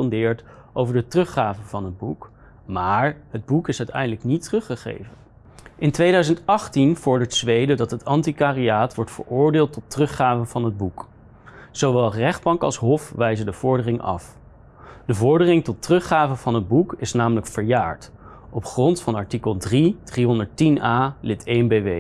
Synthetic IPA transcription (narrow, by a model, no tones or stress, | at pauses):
ndɪːɹtʔowvəɹdətrɵχaːvənvɑnɦəd̚buk | maːɹɦəd̚bukɪsœɥtɛ̰jndələknitrɵχəχḛjvən | ɪntʋejdœɥzəntɑχtinv̥ɔɹdəɹtsʋejdədɑtɦətɑntikaːriaːtʋɔɹtfə̰ɹʊːɹdɪːlˠtɔtrɵχaːvənvɑnɦəd̚buk | z̥owʋɛlˠrɛχd̚bɑŋkɑ̰lˠsɦɔfʋɛjzədəv̥ɔɹdərɪŋɑ̰f | d̥əvɔɹdərɪŋtɔtrɵχaːvənvɑnɦəd̚bukɪsnaːmələkfəɹjaːɹt | ʔɔpχrɔntfɑnɑɹtikəlˠdrid̥riɦɔndəɹtinaːlɪtʰejnbejʋej